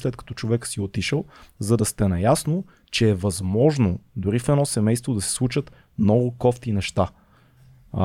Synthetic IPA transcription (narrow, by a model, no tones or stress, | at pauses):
slɛt̪̚kɐ̥t̪ɔ̥t͡ʃovɛksiot̪iʃəlˠzɐd̪ɐst̪ɛnɐjasno | t͡ʃɛːvɐzmɔʒnod̪ʊɾifɛd̪nɔsɛmɛjst̪vod̪ɐsɛ̥slˠut͡ʃət̪ | mnɔɡʊkɔft̪inɛʃt̪a